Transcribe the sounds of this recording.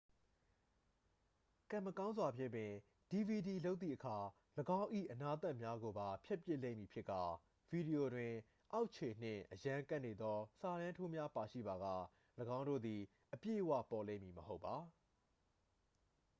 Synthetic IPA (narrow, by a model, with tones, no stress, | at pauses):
kã˦˨məkã˦ʊ̃nzwa˨pʰjɪ˦˨pːɪ̃˨ | d̥i˨vi˨di˨lo˦ʊt̪̚θḭ˦˨ʔəkʰa˨ | ləɡã˦ʊ̃ʔḭ˦˨ʔəna˦t̪a˦˨ʔmja˦ɡo˨ba˨pʰjɛ˦ʔpjɪ˦ʔlḛ̃˦˨mji˨pʰjɪ˦ʔkːa˨ | vi˨di˨jo˨dwɪ̃˨ | ʔa˦ʊʔt͡ɕʰe˨n̥ɪ̰̃˦˨ʔəjã˦ka˦ʔne˨d̪ðɔ˦sa˨lã˦ntʰo˦mja˦pa˨ʃḭ˦˨ba˨ɣa̰˦˨ | ləɡã˦ʊ̃ndo̰˦˨d̪i˨ | ʔəpjḛ˦˨wä̰˦˨pɔ˨lẽ˦˨mji˨məɦo˦ʊpːa˨